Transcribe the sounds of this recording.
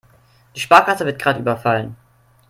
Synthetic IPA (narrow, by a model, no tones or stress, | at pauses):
d̥iːʃpaːɐkatəvɪɐt̚ɡ̥ʁaːtʔyːbɐfalən